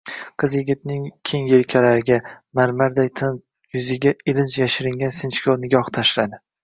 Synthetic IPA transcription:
qʰɨzjɪɡʲɪt̪̚nɪŋkʲʰe̞ŋjelkʲʰalaɾɪɡʲa | maɾmaɾd̪ajt̪ʰɪn | jʊzɪɡʲaɪlɪnt͡ʃjaʃɪɾɪŋɡʲansɪnt͡ʃkʲʰoɾnɪɡʲɒht̪ʰaʃlad̪ɪ

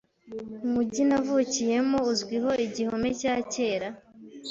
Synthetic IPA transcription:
muɟinavucije̞mouzɡwiɦo̞ʔiɟihome̞caːce̞ːɾa

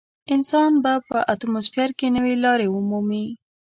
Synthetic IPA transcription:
ɪnsɑnbapəʔat̪mozfijaɾkenəwelɑɾeumumi

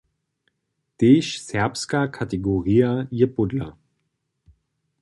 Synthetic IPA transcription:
d̥eʃsɛɐpskakʰateɡoʁiːajepʊdlɐ̰

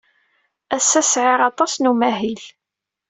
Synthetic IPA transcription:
æsːæsʕɪɾɑt̪ˤɑsnumæhil

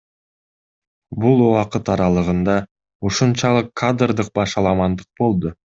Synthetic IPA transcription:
bulˠwɑqət̪ɑɾɑlˠɯʁɯnd̪ɑ | uʃunt͡ʃɑlˠəqʰːad̪rd̪ɯq̚bɑʃɑlˠɑmɑnd̪ɯq̚bo̞lˠd̪ʊ

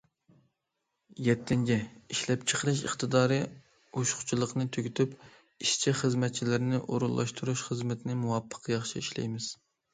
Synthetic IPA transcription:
jɛt̪ʰːɪnd͡ʒʲɛiʃlɛp̚t͡ʃʰə̥qəɾɨʃ̬ə̰χt̪ɨd̪ɑːɾɨ | oʃχʊ̥t͡ʃʰilˠəqnɨt̪ʰøɡʲyt̪ʰyp | iʃt͡ʃʰiχəzmɛt̪̚t͡ʃʰilɪɾnɪʔoɾulˠːʔɑ̰ʃt̪ʰuɾuʃχəzmɪt̪ʰnɪmuwɑpʰːə̥qjɑχʃiiʃlɛ̰jmɪz̥

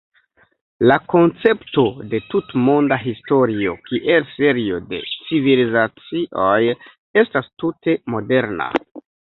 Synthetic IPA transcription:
lako̞nt͡se̞pto̞de̞tutmo̞ndaɦisto̞ɾio̞kiʔe̞lse̞ɾio̞de̞̰t͡sivilizat͡siʔo̞j | e̞stastute̞mo̞de̞ɾna̰

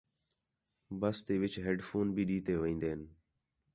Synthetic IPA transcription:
bəst̪eːʋɪt͡ʃɦeːɖfʰoːnbʱiːɗiːt̪eːʋəĩːnd̪eːn

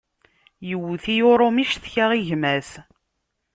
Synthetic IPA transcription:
jəwːθijʊɾˤomiʃθçaʁiʝmæθ

